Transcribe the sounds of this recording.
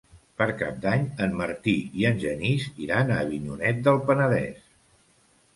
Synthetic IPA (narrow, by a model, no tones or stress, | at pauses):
pəɾkap̚d̪aɲənməɾt̪iiənʲʒəniziɾanəːβinunɛt̪̚d̪əlˠpənəðɛ̰s